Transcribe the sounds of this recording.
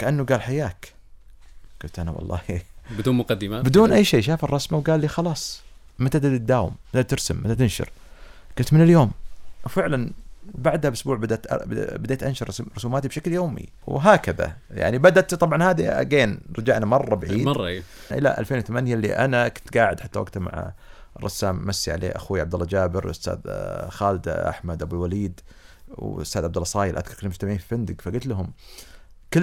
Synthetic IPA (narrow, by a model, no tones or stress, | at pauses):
kaʔanːuɡaːlħajaːk | kʊnt̪ʔana̰wɑ̰lˤːɑ̰ːhibɪd̪uːnmʊqad̪ːɪmabɪd̪uːnʔajːʃeːʃaːfɑrˤːɑsmawɡaːlːiːxɑlɑːsˤ | mat̪ad̪ad̪̚d̪ːaːwɪ̰mːat̪at̪ɪɾsɪmːat̪at̪ɪnʃɪ̰ɾ | kʊnt̪mɪnɪljoːmwfɪʕlanbaʕd̪habʔʊsbuːʕbad̪at̪bɪd̪eːt̪ʔanʃɑɾˤɾˤʊsuːmaːt̪ibʃakljoːmḭ | wɦaːkaða̰ | ja̰ʕnibad̪aʔt̪t̪ˤːɑbʕɑnhaːðḭɡeːnɾˤɑd͡ʒaːʔnamɑrˤːɑbaʕiːdˤʔɪ̰la̰ʔa̰lfeːnwʊθamanjalːḭʔanakʊt̪ɡaːʕɪd̪ħat̪ːawa̰ɡ̚t̪ama̰ʕ̰rˤːɑsːaːmːasːiʕa̰lʔḛːʔa̰xuːʕabd̪alːɑd͡ʒaːbɪɾwʊst̪a̰ːd̪xaːlɪd̪ʔa̰ħmad̪ʔabulwaliːd̪wst̪aːd̪ʕabd̪alːɑsˤɑːjɪlʔa̰ðkʰɑɾˤkɪlmʊst̪amaʕiːnfifand̪ɪɡfaɡʊt̪lɦʊm | kɪ